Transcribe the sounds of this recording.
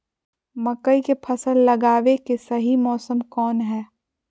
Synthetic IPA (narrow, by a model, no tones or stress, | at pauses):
mɐkəikepʰɐsəlːɐɡaːʋekesɐɦimɔːsəmkɔːnɦɛː